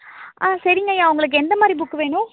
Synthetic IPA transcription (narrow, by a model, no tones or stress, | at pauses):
ʔaːsɐɾɪŋɡɐjaːʊŋɡɐɭɯk̬ːɯɛnd̪ɐmaːd̪ɾibʊkːɯʋeːɳʊ̃